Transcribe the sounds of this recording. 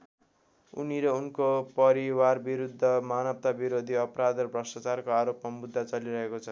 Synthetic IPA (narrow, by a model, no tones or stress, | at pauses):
ṵniɾʌunkopʌɾiwarbiɾud̪ʱːʌmanʌp̚t̪abiɾod̪ʱiʌpʌɾad̪ʌrbrʌsʈat͡sarkoaɾopmamud̪ʱːat͡sʌliɾʌɦekot͡sʰʌ